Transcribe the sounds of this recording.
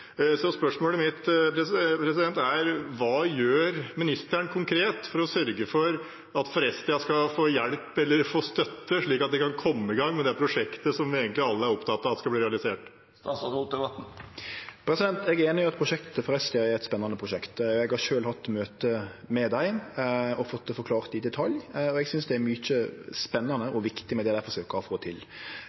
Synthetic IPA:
sɔspœʂmoːləmɪt̪pʰɾɛspʰɾɛsɪd̪ɛnt̪æɾʋɑːjøːɾmɪnɪst̪æɳkʰʊŋkʰɾeːt̪fɔɾɔsœɾɡəfɔɾ | ɑt̪fɔɾɛst̪ɪɑskɑfoːjɛlpɛlːəɾfoːst̪œt̪ːəʂɭiːkɑt̪d̪ɛkʰɑnkʰɔmːəɪɡɑŋːmɛnd̪ɛæɾpʰɾʊʂɛkt̪əsɔmʋɪeːɡənt̪lɪɑlːəæɾɔpt̪ʰɑt̪ːɑːʋɑt̪ɛskɑb̪iːɾɛɑlɪseːʈ | st̪ɑsʊd̪ɛbɑt̪n̩ | pʰɾɛsɪd̪ɛnt̪ɛɡɾeːnɪɑt̪̚pʰɾʊʂɛkt̪t̪əfɔɾɛst̪ʰɪɑɛɾɛt̪spɛnːɑnəpʰɾʊʃɛkt̪ɛɡhɑɾʂøːlhɑt̪ːmøːt̪əmɛd̪æɪɔfɔt̪ːfɔɾkʰlɑːʁt̪ɪd̪ɛt̪ʰɑljɔɛɡsʏnsd̪ɛæɾmʏt͡ʃːəspɛnːɑnəʔɔʋɪkt̪ɪmɛd̪ɛd̪æɪfɔɾʂøːkəɾɔfoːt̪ʰɪl

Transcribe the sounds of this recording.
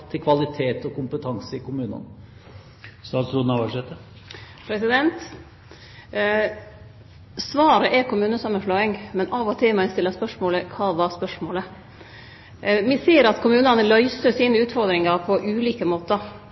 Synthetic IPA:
t̪ʰɪlkʰʋɑlɪt̪ʰeːt̪ɔkʊmpət̪ʰɑŋsəɪkʊmʉːnə̰n | sɑːsɾuːd̪nɑʋɑʂɛt̪ə | pʰɾɛsɪd̪ɛnt̪ | sʋɑːɾəʔɛɾkʰʊmʉːnəsɑməflɔɪŋmɛnɑːʋɔt̪ʰɪmæɪst̪ɪlːəspœʂmoːləkʰɑːʋɑɾspœʂmoːlə | ʋɪseːəɾɑt̪kʰʊmʉːnɑnəlœʏsəsiːnəʉːt̪fɔɾd̪ɾɪŋɑɾpʰɔʔʉːliːkəmoːt̪əɾ

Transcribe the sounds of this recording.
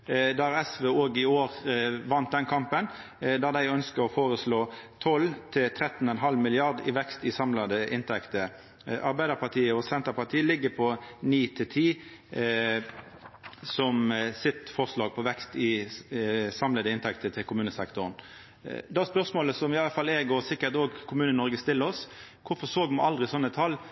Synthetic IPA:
d̪ɑɾɛsʋeːoːɡɪoːʁʋɑnt̪̚d̪ɛnkʰɑmpən | d̪ɑd̪æɪœnskəɾɔfoːʁəsloːt̪ʰɔlt̪ʰɪlt̪ʰɾɛt̪n̩ɔɛnɦɑlmɪlɪɑʁd̪ɪ̰ʋɛkst̪ɪsɑmlɑd̪əʔɪnt̪ʰɛkt̪ə | ʔɑɾbæɪd̪əpʰɑt̪ʰiːəɔsɛnt̪əpɑt̪ʰiːəlɪɡːəpʰɔniːt̪ʰɪlt̪ʰiː | sɔmsɪt̪fɔʁʂlɑːɡ̚pʰɔʋɛkst̪ɪ | sɑmləd̪əɪnt̪ʰɛkt̪ət̪ʰɪlkʰʊmʉːnəsɛkt̪ʊʁn | d̪ɛæspœɾsmoːləsɔmɪɑləfɑlːɛɡɔsɪkːət̪oːɡkʰʊmʉːnənnɔɾɡəst̪ɪlːəɔskʰʊfɔsoːɡmɑɑld̪ʁɪsɔnːət̪ʰɑlː

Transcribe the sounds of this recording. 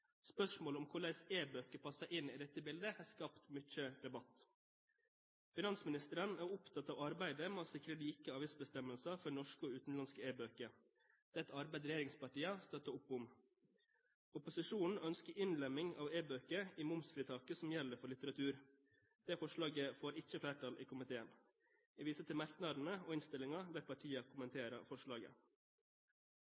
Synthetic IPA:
spœʂmoːlɔmkʰʊɭæɪseːbøːkəpʰɑsəʔɪniːd̪ɛt̪ːəbɪld̪əhæːskɑpt̪mʏt͡ʃəd̪ɛbɑt̪ː | fɪnɑnsmɪnɪst̪əɾənæːɾʊpt̪ʰɑt̪ːɑːʋɑɾbæɪd̪əmɛɔsɪkɾəliːkəɑːʋɪsbəst̪ɛməlsɑfɔɾnɔʂkoːʉːt̪n̩lɑnskəeːbøːkə | d̪̥ɛt̪ʰːɑɾbæɪd̪ɾɛɪjeːɾɪŋspɑʈiːɑst̪œt̪ːəʊpːʊm | ʊpʊsɪʂuːnn̩œnskəɾʔɪnlɛmɪŋɑ̰ːʋeːbøːkəiːmʊmsfɾiːt̪ʰɑːkəsɔmjɛlːəɾfɔɭɪt̪əɾɑt̪ʰʉːɾ | d̪̥eːfɔʂlɑːɡəfoːɾɪçəflæːʈʰɑlʔḭːkʰʊmɪt̪ʰeːən | iːʋiːsət̪ʰɪlmæɾknɑd̪n̩əoːɪnst̪ɪlɪŋɑd̪æːɾpʰɑʈʰiːɑkʰʊmənt̪ʰeːɾə̰fɔʂɭɑːɡə̰

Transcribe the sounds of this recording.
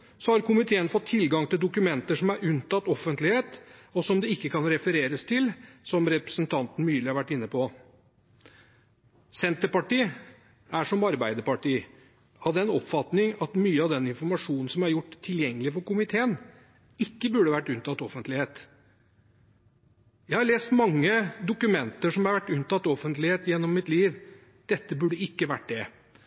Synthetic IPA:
sɔhɑɾkʊmɪt̪ʰeːənfɔt̪ʰːɪlɡɑŋt̪ɪld̪ʊkʉmɛnt̪əʂɔmæɾʉnt̪ɑt̪ːɔfənt̪lɪheːt̪ɔsɔmd̪ɛɪkːəkʰɑnɾɛfəɾeːɾəst̪ʰɪlsɔmɾɛpɾə̥sənt̪ʰɑnt̪n̩myːlɪhɑɾʋæʈːɪnːəpʰɔ | sɛnt̪əɾpɑʈiː | æʂɔmɑɾbæɪd̪əpɑʈiː | ɑʋd̪ɛɛnɔpfɑt̪nɪŋɑt̪myːəɑʋd̪ɛnɪnfɔɾmɑʂuːnn̩sɔmæɾjʊʈːt̪ʰːɪljɛŋːəlɪfɔɾkʊmɪt̪ʰeːən | ɪkːəbʉɖəʋæʈːʉnt̪ɑt̪ːɔfənt̪lɪheːt̪ | jæɪhɑɾɭeːst̪mɑŋːəd̪ʊkʉmɛnt̪əʂɔmhɑɾʋæʈːʉnt̪ɑt̪ːɔfənt̪lɪheːt̪jɛnːɔmːɪt̪liːʋ | d̪̥ɛt̪ːəbʉɖəɪkːəʋæʈ̚ːd̪ɛ

